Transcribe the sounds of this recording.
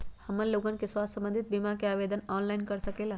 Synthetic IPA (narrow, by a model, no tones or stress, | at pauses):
həmənloɡənkesʋassə̃mbənd̪ʱit̪̚bimakeaːʋed̪ənɔːnlainkəɾsəkela